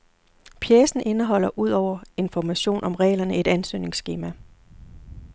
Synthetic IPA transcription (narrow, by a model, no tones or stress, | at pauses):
pʰjeːsn̩ʔe̝nəɦɒ̽l̰ɐʔuð̞̰ˠɒʊ̰ɐe̝nfɒmæɕo̝̰ːnʔɒ̽mʁɛ̰ːɪlɐnəe̝d̥ænsø̰ːne̝ŋsɡ̥e̝ːmæ